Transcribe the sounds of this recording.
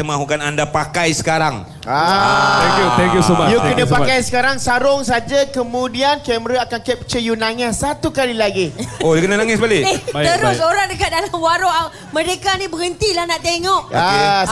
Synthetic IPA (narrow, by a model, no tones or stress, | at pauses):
t̪əmãɦukanandapakajsə̥kaɾaŋ | aɛŋkjut̪ɛŋkjusojukənãpakajsə̥kaɾaŋsaɾʊŋsad͡ʒakəmũdiankɛməɾaakankɛp̚t͡ʃəjunãŋasat̪ukalilaɡioakənanaŋɪsbalieəɾʊsoɾaŋdəkat̪̚dalamwaɾoʔa | mə̃ɾekanibəɡənt̪ilahnaʔt̪eŋɔʔa